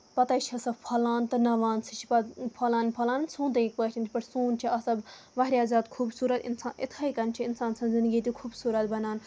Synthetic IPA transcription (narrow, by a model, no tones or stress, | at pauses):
pɐt̪ɐːit͡ʃʰɐsɐbpʰɐlaːnt̪ɨnɐʋaːnsit͡ʃʰi̥pɐpʰɐlaːnpʰɐlaːnnsʰũːnt̪̬ɐik̚pəːt͡ʃʰʲint͡ʃʰpɐʈsuːnt͡ʃʰiɐsɐbʋɐɦɾʲjaːzʲaːt̪kʰuːbsuːɾɐt̪ḭnsaːnʔɪ̰t̪ʰaikɐnt͡ʃʰiɪnsaːnsɐ̃nzɪ̃nd̪ɡiːt̪ikʰuːbsuːɾɐt̪bɐnaːn